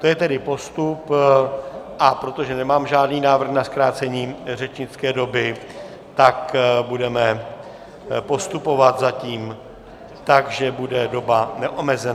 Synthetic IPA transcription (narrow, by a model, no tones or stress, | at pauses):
t̪ojɛt̪ɛdɪpo̞st̪up | ʔapɾo̞t̪o̞ʒɛnɛmaːmʒaːdniːnaːvr̩xnaskɾaːt͡sɛɲiːr̝ɛt͡ʃɲɪt͡skɛːdo̞bɪ | t̪akbudɛmɛ | po̞st̪upo̞vat̪zaciːm | t̪akʒɛbudɛdo̞banɛʔomɛzɛna